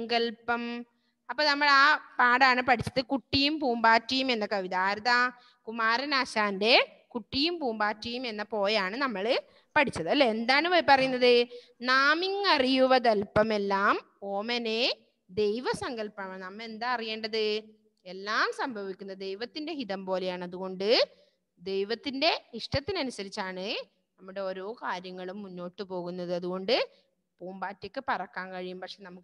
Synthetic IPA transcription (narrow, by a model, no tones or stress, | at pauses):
ɐŋɡɐlpɐm | ɐpːoːnɐmːɐɭaːpaːɽaːɳɨpɐʈʰit͡ɕːɐðɨkuʈːijumpuːmbaːtːijume̞nːɐkɐʋiðaːɾuðɐ | kumaːɾɐnaːɕaːnde̞ | kuʈːijumpuːmbaːtːijume̞nːɐpo̞ːjaːɳɨnɐmːɐɭɨ | pɐʈʰit͡ɕːɐðɐlːeend̪aːɳɨʋɐpɐrɐjunːɐðɨ | naːmiŋɐrijuʋɐðɐlpɐme̞lːaːm | oːmɐne | d̪e̞jʋɐsɐŋɡɐlpɐɳɐmɐmnɐmːɐend̪aːɐrije̞ːɳɖɐðɨ | e̞lːaːmsɐmbʱɐʋikʲːunːɐd̪e̞jʋɐt̪ːinde̞ɦiðɐmpo̞ːlejaːɳɐðuɣo̞ɳɖɨ | d̪e̞jʋɐt̪ːinde̞iʂʈɐt̪ːinɐnusɐɾit͡ɕːaːɳɨ | nɐmːuɽe̞o̞ːɾo̞ːkaːɾjɐŋːɐɭumːunːo̞ːʈːɨpo̞ːɣunːɐðɨɐðuɣo̞ɳɖɨ | poːmbaːtːjɐkːɨpɐrɐkːaːnkɐɻijumpɐkʂeːnɐmukː